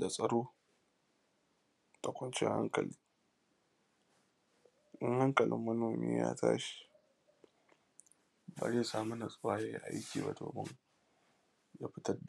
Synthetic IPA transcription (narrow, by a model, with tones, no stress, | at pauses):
da˨sʼɐ˦ɽoː˦ | tʼɐ˨kʷɔ˦nt͡ʃɪ˦ha˦ŋkl | ʔɪ˦ŋha˦ŋkɐ˨lʔɪ˦mːɐ˦noː˨mḭː˦ja̰ː˦ta̰ː˦ʃi̥˨ | ba̰˨zeː˦saː˨mu˦nɐ˨sʼʊ˦waː˦jaː˦jḭ˦ʔa˦jkʲiː˨ba̰˦˨to̰ː˨bɐ˦ŋ | jaː˦ɸɪ˦tɐ˦rda˨